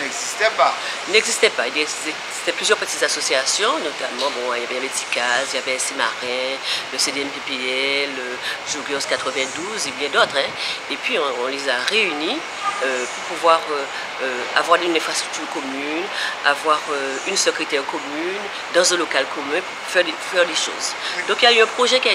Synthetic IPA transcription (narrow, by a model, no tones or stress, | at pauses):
ɛɡzist̪ɛpa | ilnɛɡzist̪ɛpailɛz | e̥t̪ɛplyzjœʁpət̪it̪zasosiasjɔ̃not̪amɑ̃bɔ̃iljavɛjlɛt̪i̥kaziljavɛsema̰ʁɛ̃ləsed̪eɛmpepeɛɛlø | ʒuɡɔskat̪χəvɛ̃d̪uzebjɛ̃d̪ot̪χɛ̃epɥiɔ̃ɔ̃lezaʁeyni | øpuʁpuvwaʁø | øa̰vwaʁd̪ynɛ̃fχast̪χyk̚t̪yʁkɔmyna̰vwaʁø | ynsəkχit̪ɛʁkɔmyn | d̪ɑ̃zɛ̃lokalkɔmɛ̃puʁfɛʁd̪ | fɛʁd̪eʃo̰zd̪ɔ̃kiljayɛ̃pχoʒɛkʲia